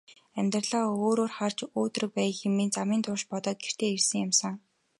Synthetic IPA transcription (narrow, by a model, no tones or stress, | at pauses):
æmʲt̪rəɮaːoːɾoːrχart͡ɕoːt̪̆rɵ̆k̚pæːjxemiːnt͡samiːnt̪ʰʊʃpɔt̪ɔːt̪̚ɡer̥t̪ʰeːersɘ̆ŋjamsə̆ŋ